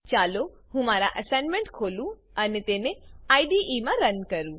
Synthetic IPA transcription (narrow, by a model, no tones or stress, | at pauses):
t͡ʃaːlo | hũmaːɾaʔəsẽːnɖmẽɳʈkʰoːlũ | ɐnet̪eːnẽaːiɖiʔiːmãɾɐnkɐɾũ